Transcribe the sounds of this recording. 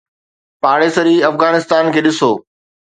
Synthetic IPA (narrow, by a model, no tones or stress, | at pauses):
paːɽesɐɾiːɐfɣaːnɪst̪aːnkʰeːɗɪsoː